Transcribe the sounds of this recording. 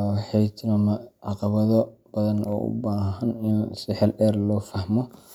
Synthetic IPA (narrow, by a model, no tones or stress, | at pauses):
ħɛjt̪ʰnɐmɐʕɑqɑβɐðɔb̥ɐðɐnɔ̰ːʔʊ̰baːɦɦɐnɪnsɪħɛlɗɛːrlɔːfɐhmɔ